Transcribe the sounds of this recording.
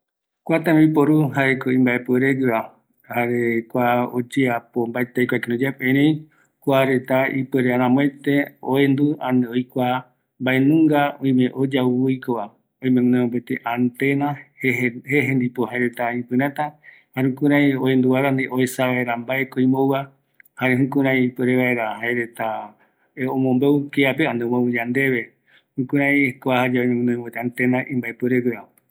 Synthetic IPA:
kʷat̪ãmbipoɾuɦaekoĩmbaepɨeɾeɡɨβa | haɾekʷao̰d͡ʒeapombaet̪ejkʷakeɾũd͡ʒapẽɾej̃ | kʷaɾet̪aipeɾeaɾãmõẽt̪eoend̪uãneojkʷa | mbaenũŋɡaõj̃mẽʔod͡ʒawjkoa | õj̃mẽnẽõmbet̪eʔant̪ena | heɦẽnd̪ipohaeɾet̪aĩpɨ̃ɾat̪a | haɾeũkũɾãĩoend̪uβaɾand̪eʔoesaβaeɾambaekoĩmowa | haɾeɦũkũɾãĩpeɾeβaeɾahaeɾet̪a | eõmõmbeukeapeand̪eomoud͡ʒand̪e̞βe | hũkũɾãĩekoahad͡ʒaojmenõj̃bet̪eant̪enaʔĩmbaepɨɾekɨa

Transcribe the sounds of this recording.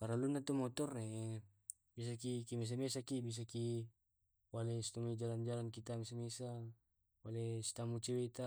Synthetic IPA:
paɾalunːat̪umɔt̪ɔrne | bis̬akikimes̬amesakibis̬aki | walesi̥t̪uŋid͡ʒaland͡ʒalankit̪amesamesa | walesi̥t̪amut͡ʃewet̪a

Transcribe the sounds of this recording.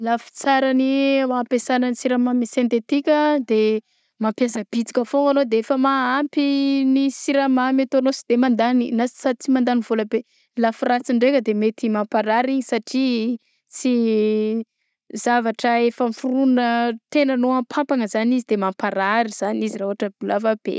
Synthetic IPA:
lafi̥t͡saɾaniapesanənisiɾamamisent̪et̪ikʲəd̪e | mampjas̬ab̥it͡si̥kʲafoanod̪eefəmaampinisiɾamamat̪oanosi̥d̪̥emand̪aninassat͡simand̪anivolabe | lafrat͡siɳɖ͡ʐekʲəd̪emet̪imampaɾaɾiɲisaʈ͡ʂi | t͡si | zavaʈ͡ʂəefəmifurunət̪enanoampʰampaŋəzanizid̪emampaɾaɾiz̥anizirauɦaʈ͡ʂəbulavab̥ḛ

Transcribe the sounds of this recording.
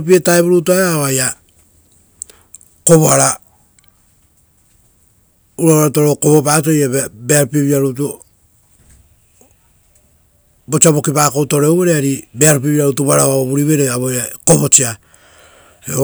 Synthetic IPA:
p̬ietaeβuɾutuaaβaja | ko̞βoaɾa | uɾaβaɾtoɾoko̞βo̞pat̬ojabeaɾupieβiaɾutu | bo̞t͡ʃiaβo̞kipaːkoutoɾeuwβeɾeaɾibeaɾp̬ieβiaɾutuβaɾaβaoβuɾiβeɾeaβoakobo̞t͡ʃia | e

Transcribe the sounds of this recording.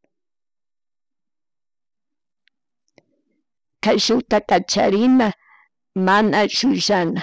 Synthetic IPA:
kajʃʊt̪akat͡ʃa̰ɾɪna | manaʃʊjʃana

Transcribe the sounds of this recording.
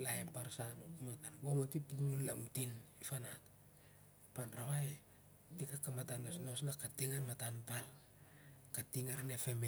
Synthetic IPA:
laepaɾsanmatanbomotipunullamutinifanat | panrawaj | tikakamatanesnosnakatiŋanmatanpal | katiŋaɾnefeme

